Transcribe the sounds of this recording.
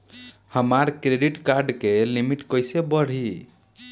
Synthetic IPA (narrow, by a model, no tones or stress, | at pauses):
həmaɾkɾeɖiʈkaɾɖkelimiʈkəjsebəɽ̤i